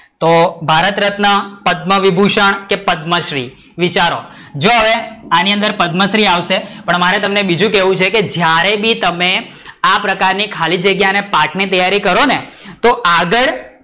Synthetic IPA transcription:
t̪obʱaɾət̪ɾət̪napəd̪məʋibʱuʃəɳ̃kepəd̪məʃɾi | ʋit͡ʃaɾod͡ʒoɦəʋeaniə̃nd̪əɾpəd̪məʃɾiaʋʃepəɳmaɾɛt̪əmnebid͡ʒũkɛʋũt͡ʃʰeked͡ʒjaɾebʱit̪əme | apɾəkaɾnikʰalid͡ʒəɡjanepaʈʰnit̪əjaɾikəɾone | t̪oaɡəɭ

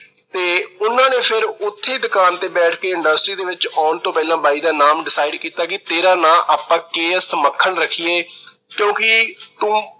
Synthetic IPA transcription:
t̪eːʊnãːneːpʰɪɾʊt̪ʰːeːd̪ʊkaːnt̪eːbɛːʈʰkeːɪ̃ɳɖəsʈɾiːd̪eːʋɪt͡ʃɔːnt̪õːpɛːlãːbaːiːd̪aːnaːmɖɪsaːɪɖkiːt̪aːkɪt̪eːɾaːnãːʔaːpːãːkeːsəməkʰːəɳɾəkʰːiːeː | kjõːkɪt̪ũː

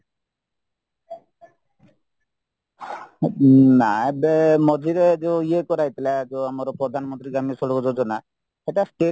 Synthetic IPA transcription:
naebemɔd̪ʱiɾed͡ʒeiekɔɾajt̪ilad͡ʒeamɔɾɔpɾɔd̪ʱanmɔnt̪ɾikamisɔlɔkɔd͡ʒɔd͡ʒɔna | eʈasʈe

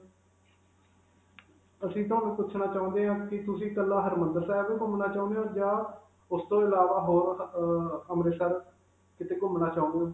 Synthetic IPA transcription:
əsĩːt̪ʊaːnũːpʊt͡ʃʰnaːt͡ʃaːʊ̃nd̪eːɦãːkɪt̪ʊsĩːkəlːaːɦəɾmənd̪əɾsɛːɛbeːkʊmnaːt͡ʃaːnd̪eõːd͡ʒaː | ʊst̪õːɪlaːʋaːɦoːɾ | əmɾeːsəɾ | kɪt̪eːkʊmnaːt͡ʃãːnd̪eõː

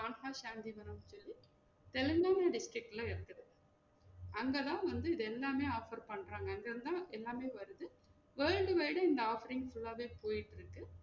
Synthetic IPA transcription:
aːnhaːʃaːnd̪iʋɐɾɐmsɔlːi | t̪ɛlɪŋɡaːmjɐɖɪsʈɾɪk̚ʈːɪlɐɪɽɯt̪ːɐðɯ | ɐŋɡɐðãːʋɐnd̪ɯɪðɯɛlːaːmeːaːfɐɾpɐɳːɾaːŋɡɐɐŋɡɐɾɯnd̪ãːʔɛlːaːmeːʋɐɾɯðɯ | ʋeːɻɖɯʋɐɪɽɯɪnd̪ɐaːfɐɾɪŋɡfʊɭːaːʋeːpoːjɪʈːɪɾɯkːɯ

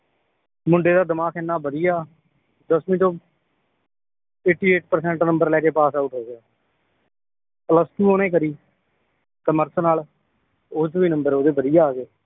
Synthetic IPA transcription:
mʊɳɖeːd̪aːd̪ɪmaːkʰɛnːaːbəd̪ijaː | d̪əsmĩːt̪õː | eːʈːiːeːʈ̚pəɾsɛ̃ːɳʈnəmbəɾlɛːkeːpaːsaːʈɦoːɡeaː | ələst̪uːoːnẽːk̬əɾiː | kəməɾsnaːl | oːt͡ʃʋiːnəmbəɾoːd̪eːbəd̪ɪjaːɡeː

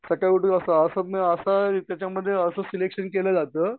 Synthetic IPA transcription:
səkajkuʈuəsaəsəməəsat̪jat͡ɕjaməd̪ʱːjeəsəːsilekʂənkeləd͡zat̪əː

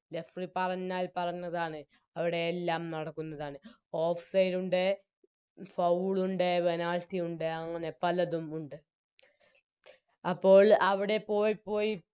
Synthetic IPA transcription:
le̞fripɐrɐɲːaːlpɐrɐɲːɐðaːɳɨ | ɐʋiɽe̞ːlːaːmnɐɽɐkːunːɐðaːɳɨ | o̞ːfsɐjɾuɳɖe | fɐwɭuɳɖe̞ʋenaːltːiuɳɖeɐŋːɐne̞pɐlɐðumuɳɖɨ | ɐpːo̞ːɭɐʋiɽe̞po̞ːjipːo̞ːji

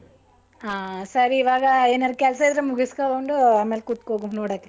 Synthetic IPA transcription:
aːsɐɾiiʋaːɡɐeːnɐɾkɛlsɐid̪ɾemuɡiskaoɳɖuaːmeːlkut̪ːkoːɡunoːɽakːe

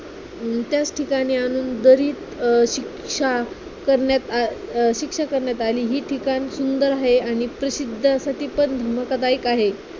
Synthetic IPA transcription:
t̪jat͡sʈʰikaɽ̃iːañuːnd̪əɾiːt̪ɕik | ʂa | kəɾɳjat̪aɕikʂakəɾɳjat̪aliːɦiːʈʰikansund̪əɾaɦeaɽ̃ipɾəsid̪ʱːəsaʈʰiːpənd̪ʱəməkət̪aikaɦe

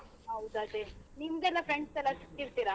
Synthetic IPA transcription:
ɦɐwd̪ɐd̪enimɡ̪ɛlːafɾeɳɖsɛlːasi̥t̪ːiɾt̪iɾa

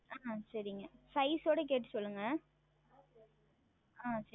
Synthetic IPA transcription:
aːsɐɾɪŋɡɐsɐɪsoːɽɐk̬eːʈːɯ̥sɔlːɯŋɡɐ | aːs

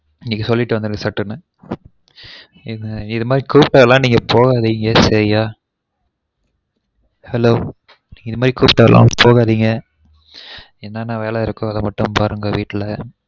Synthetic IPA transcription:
ɪŋɡɐkːɯsɔlːɪʈːɯʋɐnd̪ɯɾɯŋɡɐsɐʈːɯnɯ | ɪðɪðɯmaːd̪ɾikuːpʈɐɐlãːniːŋɡɐpoːɣaːðiːŋɡɐsɐɾɪjaː | hɛloː | niːŋɡɐɪðɯmaːd̪ɾikuːpʈːɐʋɐlʔã̰ːpoːɣaːðiːŋɡɐ | ɛnːaːnaːʋeːlɐɪɾɯkːʊ̃ɐðɐmɐʈːɯ̃mpaːɾɯŋɡɐʋiːʈːɪlɐ

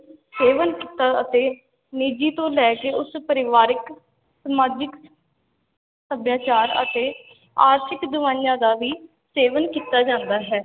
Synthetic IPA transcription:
seːʋənkiːt̪aːət̪eː | nid͡ʒiːt̪õːlɛːkeːʊspəɾɪʋaːɾɪk | səmaːd͡ʒɪk | səbjaːt͡ʃaːɾə̰t̪eː | a̰ːɾt̪ʰɪkd̪ʊʋãːjãːd̪aːʋiː | seːʋənkiːt̪aːd͡ʒãːnd̪aːɦɛː

